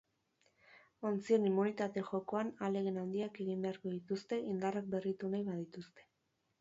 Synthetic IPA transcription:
o̞nt͡sie̞nimːunit̪at̪e̞ʝo̞ko̞anale̞ɣenand̪iake̞ɣimbe̞aɾko̞ðit̪ust̪e̞ʔind̪arak̚be̞rit̪unajβað̞it̪ust̪e̞̥

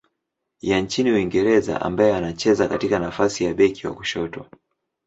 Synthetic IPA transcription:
jant͡ʃiniwiŋɡɛɾɛza̰ʔa̰mbajɛanat͡ʃɛzakatikanafasijaɓɛkiwa̰ku̥ʃɔtɔ̰

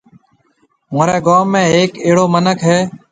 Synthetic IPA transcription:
mõːɾeːɡaːmːẽːeːkeːɽoːmənəkɦeː

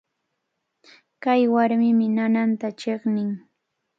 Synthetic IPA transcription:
kajwaɾmɪmɪnanant̪at͡ʃeχnɪŋ

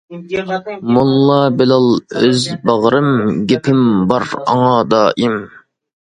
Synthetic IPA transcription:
mulˠːɑbɪlɑlˠøzbɑʁɾɨmɡʲepʰɪmbɑɾɑ̰ŋɑd̪ɑːʔim

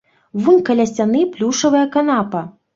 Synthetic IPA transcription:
vunʲkɐlʲasʲt͡sʲanɨplʲuʂɐvɐjɐkanapɐ

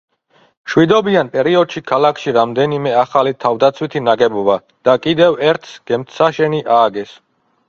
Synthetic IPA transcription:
ʃwid̪ɔbianpʼɛɾiɔd̪̥ʃikʰalakʰʃiɾamd̪ɛnimɛaχalit̪ʰavd̪at̪sʰwit̪ʰinaɡɛbɔba | d̪̥akʼid̪ɛvɛɾt̪ʰsɡ̥ɛmt̪ʰsaʃɛniʔaːɡɛs

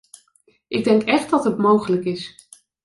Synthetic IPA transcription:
ʔɪɡ̚dɛŋkɛχtdɑtɦətmowχələkɪs

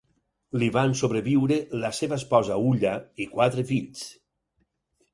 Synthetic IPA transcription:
liβansoβɾeβiwɾelaseβaespɔzauʎaikwat̪ɾefiʎs

